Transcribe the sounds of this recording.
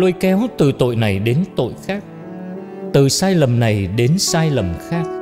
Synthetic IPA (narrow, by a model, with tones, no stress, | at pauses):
lo˧jkɛ˧˦wt̪ɨ˨˩t̪o̰˧˨jna˨˩jɗe˨˦nt̪o̰˧˨jxaː˦˥k̚ | t̪ɨ˨˩saː˧jlə˨˩mna˨˩jɗe˨˦nsaː˧jlə˨˩mxaː˦˥k̚